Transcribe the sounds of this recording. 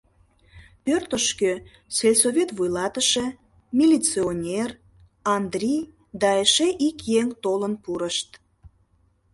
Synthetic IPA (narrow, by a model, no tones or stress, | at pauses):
pørt̪əʃkø | selʲsovʲet̪βujlɑt̪əʃe | mʲilʲit͡sionʲer | ɑnd̪rʲij | d̪ɑeʃeʔikjeŋt̪olənpuɾəʃt̪